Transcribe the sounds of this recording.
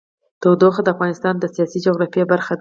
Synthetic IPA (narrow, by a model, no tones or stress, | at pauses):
t̪owd̪oxad̪əafɣɑnɪst̪ɑnd̪əsijɑsid͡ʒoɣɾɑfjebaɾxad̪